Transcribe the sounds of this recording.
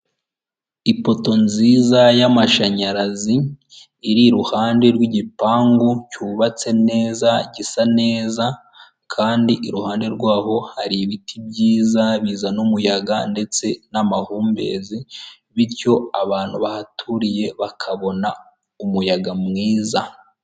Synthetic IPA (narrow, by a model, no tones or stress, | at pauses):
ipo̞to̞nziːzajamaʃaɲaɾaziː | ɾiɾuhaːndeɾwiɟipaːŋɡucuːβat͡se̞ne̞ːzaɟisane̞ːza | kʰaːndiʔiɾuhaːnde̞ɾɡwaːho̞haɾiβitib̚ɟiːzaβiːzanumujaɡande̞t͡se̞namahuːmbe̞̰ːzi | βiɾco̞aβaːn̥huβahatʰuɾije̞βakʰaβo̞na | umujaɡamŋiːza